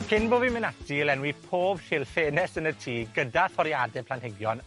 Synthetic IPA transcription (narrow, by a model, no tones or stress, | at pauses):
kʰɪnboːvimɪnadilɛnwipʰoːb̥hɪlˠfeːnɛsənətʰiːɡədaθɔɾjadɛpʰlanhɪɡjɔn